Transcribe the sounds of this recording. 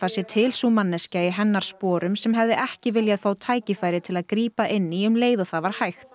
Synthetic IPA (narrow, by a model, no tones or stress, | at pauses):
θasjɛt̪ʰɪlsumanːɛscaɪɦɛnːaɾ̥spɔːɾʏmsɛmɦɛvðɪʔɛhcɪvɪljaðfaːwt̪ʰaːjcɪfaːjɾɪt̪ʰɪlaðkɾiːpaʔɪnːiʏmleːjðʏθavaɾ̥hajxt̪